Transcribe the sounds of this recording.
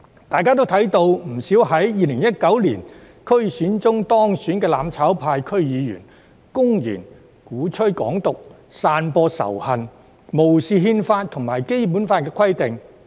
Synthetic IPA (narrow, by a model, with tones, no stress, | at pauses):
t̪aː˨jkaː˥t̪o˥wt̪ʰɐ˨˥jt̪o˧wm̩˨˩siː˨˥whɐ˨˥jːiː˨˧lɪ˨˩ŋjɐ˥t̚kɐ˨˥wliː˨˩n | kʰɵ˥ɥsyː˨˥nt͡sʊ˥ŋt̪ɔː˥ŋsyː˨˥nkɛː˧laː˨˧mt͡sʰaː˨˥wpʰaː˧jkʰɵ˥ɥjiː˨˧jy̰ː˨˩n | kʊ˥ŋjḭː˨˩n | kuː˨˥t͡ʃʰɵ˥ɥkɔ̰ː˨˥ŋt̪ʊ˨k̚ | saː˧npɔː˧sɐ̰˨˩whɐ˨˩n | mo˨˩wsiː˨˧ɦiː˧nfaː˧t̚t̪ʰʊ˨˩ŋmaː˨˩jke˥jp̬uː˨˥nfaː˧˥tkɛː˧kʰɐ˥jt̪ɪ˨ŋ